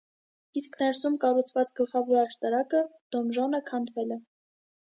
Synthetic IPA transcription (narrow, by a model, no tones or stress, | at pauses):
isknɛɾsumkɑrut͡sʰvɑt͡sɡəlχɑvɔɾɑʃt̪ɑɾɑkəd̪̥ɔmʒɔnəkʰɑnd̪vɛlɛ